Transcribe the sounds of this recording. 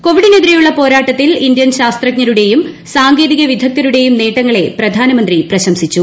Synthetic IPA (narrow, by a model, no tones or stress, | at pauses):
ko̞ʋiɽineːd̪ɾɐjuɭːɐpo̞ːɾaːʈːɐt̪ːilind̪jɐnɕaːst̪rɐkɲɐɾuɽe̞jum | saːŋɡe̞ːðiɣɐʋid̪ʱɐk̚t̪ɐɾuɽe̞jumneːʈːɐŋːɐɭe̞prɐd̪ʱaːnɐmɐnd̪riprɐɕɐmsit͡ɕːu